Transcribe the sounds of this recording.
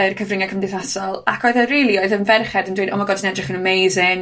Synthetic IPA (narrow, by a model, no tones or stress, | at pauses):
ərkʰəvrɪŋakʰəmdɪθasɔlˠakʰɔɨðəriːlˠiɔɨðənvɛrχɛdəndwejdɔmaɡɔdənɛdrɪχənəmejzɪŋ